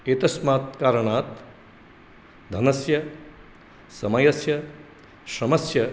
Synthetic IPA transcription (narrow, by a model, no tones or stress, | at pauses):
eːt̪ɐsmaːt̪̚kaːɾɐɳaːt̪ | d̪ʱɐnɐsjɐ | sɐmɐjɐsjɐ | sɐmɐsjɐ